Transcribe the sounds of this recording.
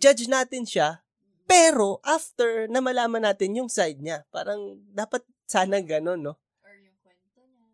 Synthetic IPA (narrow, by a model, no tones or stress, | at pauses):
d͡ʒad͡ʒnaːt̪ɪnʃa | pɛːɾo̞ʔaft̪ɛɹnɐmɐlaːmɐnːaːt̪ɪnjʊŋsajd̪̚ɲapaːɾɐŋd̪aːpɐt̪̚saːnɐŋɡɐno̞nːo̞